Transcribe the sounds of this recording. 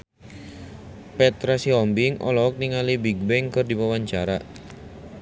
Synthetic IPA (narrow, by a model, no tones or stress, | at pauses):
pɛt̪ɾasiɔmbɪŋʔɔ̰lɔk̚niŋalibiɡ̚bɛŋkərdipawaɲt͡ʃaɾa